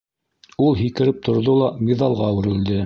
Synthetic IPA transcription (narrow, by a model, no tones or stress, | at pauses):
ulˠɦikɘ̆ɾɘp̚t̪ʰŏɾðolˠɑmiðɑlˠʁɑwɘ̆ɾɘ̆ld̪ɘ